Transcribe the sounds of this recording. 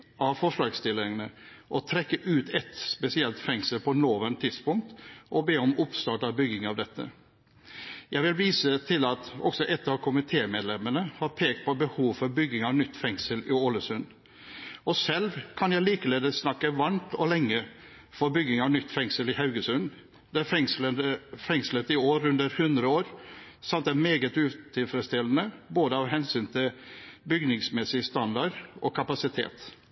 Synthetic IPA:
ʔɑʋfɔʂlɑːɡst̪ɪlɪŋənəʔɔt̪ʰɾɛkːəʔʉːt̪ʰɛt̪spɛsɪɛlt̪fɛŋsəlpʰɔnoːʋənt̪ʰːɪd̪spʊŋk̚t̪ʔɔbeːɔmʊpst̪ɑːʈɑbʏɡːɪŋɑʋd̪ɛt̪ʰːə̰ | jæɪʋɪlʋiːsət̪ʰɪlɑt̪ɔ̰ksɔʔɛt̪ːɑʋkʰʊmɪt̪ʰeːmɛːd̪lɛmənəhɑɾpʰeːkt̪̚pʰɔbəhuːʋfɔɾbʏɡɪŋɑnʏt̪ːfɛŋsəlɪoləsʉn | ɔsɛlʋkʰɑnjæɪliːkəleːd̪əsnɑkːəʋɑɳt̪ɔlɛŋːə | fɔɾbʏɡɪŋɑnʏt̪ːfɛŋsəlɪhɑʉɡəsʉn | d̪ɛæɾfɛŋsləəfɛŋslət̪ɪoːɾʉnd̪əɾhʉnd̪ɾəoːɾsɑmt̪æmeːɡət̪ʉːt̪ʰɪlfɾɛst̪ɪlənəboːd̪əɑʋɦɛnsyːnt̪ʰɪlbʏɡnɪŋsmɛsɪst̪ɑnd̪ɑɖʔɔkʰɑpɑsɪt̪ʰḛːt̪

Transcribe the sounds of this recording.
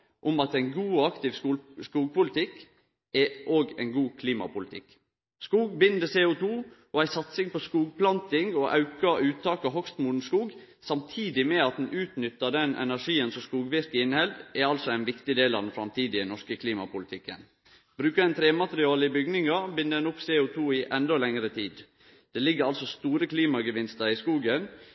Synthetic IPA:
ʔʊmɑt̪æɪnɡuːɑkt̪ɪʋsskuːɡ̚pʊlɪt̪ʰɪk | ɛʔoːɡæ̰ɪnɡuːkʰliːmɑ̰pʊlɪt̪ʰɪ̰kː | skuːɡ̚bɪnd̪əseːʊt̪ʰuː | ɔæɪsɑt̪sɪŋpɔskuːɡ̚pʰlɑnt̪ɪŋɔʔɑ̰ʉkɑʔʉːt̪ʰɑːkɔɦɔkst̪mun̩skuːɡ | sɑmt̪ʰiːd̪ɪmɛɑt̪̚d̪n̩ʔʉːt̪nʏt̪ːəd̪ɛnʔɛ̰næʂiːənsɔskuːɡʋɪɾkɪɪnhɛld̪ɛɑlsɔæɪnʋɪkt̪ɪd̪eːlɑ̰d̪n̩fɾɑmt̪ʰiːd̪ɪɛnɔʂkəkʰliːmɑ̰pʊlɪt̪ʰɪkːə̰n | b̥ɾʉːkəd̪ɛnt̪ʰɾeːmɑt̪əɾɪɑːləɪbʏɡnɪŋɑbɪnəd̪ɛnʊpseːʊt̪ʰuːɪʔɛnd̪ɔlɛŋɾət̪ʰiːd̪ | d̪̥ɛːlɪɡːəɾɑlsɔst̪uːɾəkʰliːmɑɡəʋɪnst̪əɾɪskuːɡən

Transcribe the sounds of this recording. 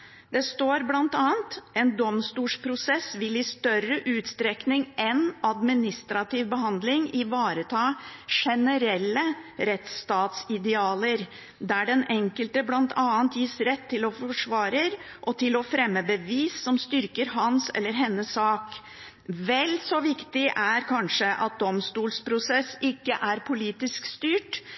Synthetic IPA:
d̪̥ɛst̪oːɾblɑnt̪ɑːənt̪ɛnd̪ɔmst̪uːʂpʰɾʊsɛsʋɪlɪst̪œrəʔʉːt̪st̪ɾɛknɪŋʔɛnɑd̪mɪnɪst̪ɾɑt̪ɪʋbəɦɑnd̪lɪŋɪʋɑːɾət̪ʰɑːʂɛnəɾɛlːəɾɛt̪st̪ɑːt̪sɪd̪ɛɑːləɾ | d̪æɖɛnɛŋkəlt̪əblɑnt̪ʰɑːənt̪ʰjɪsɾɛt̪ʰːɪlɔfɔʂʋɑːɾəɾʔɔt̪ʰɪlɔfɾɛmːəbəʋiːsːɔmst̪ʏɾkəɾɦɑnsɛ̰lːəɾɦɛnːəsːɑːk | ʋɛlsɔʋɪkt̪ɪʔæɾkʰɑnʂəʔɑ̰t̪̚d̪ɔmst̪uːlspʰɾʊsɛsɪkːəʔæɾpʰʊliːt̪ɪskst̪yːʈ

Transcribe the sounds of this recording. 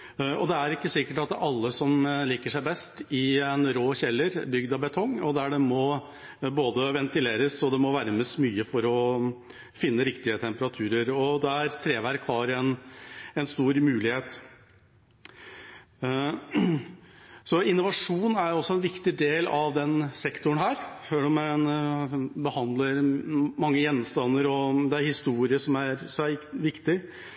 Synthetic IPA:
ɔ̰d̪ɛæɾɪkːəsɪkːəʈɑt̪ʔɑlːəsɔmliːkəʂæɪbɛst̪ɪɛnɾoːçɛlːəɾbʏɡd̪ɑbɛt̪ʰɔŋːɔd̪æɖɛmɔ | boːd̪əʋɛnt̪ɪleːɾəsɔd̪ɛmɔʋæɾəməsmyːəfɔɾɔ | fɪnːəɾɪkt̪ɪət̪ʰɛmpəɾɑt̪ʰʉːɾəɾɔd̪ɛæɾt̪ʰɾeːʋæɾkhɑɾɛnɛnst̪uːɾmʉːlɪheːt̪ | sɔɪnːʊʋɑʂuːnæɾjʊɔsːɔɛnʋɪkt̪ɪd̪eːlɑʋd̪ɛnsɛkt̪ʊɳɦæːɾʂøːɖmɛn | bəhɑnd̪ləɾmɑŋːəjɛnːst̪ɑnːəɾɔd̪ɛæɾhɪst̪uːɾɪəʂɔmæɾsɔæʋɪkt̪ɪ

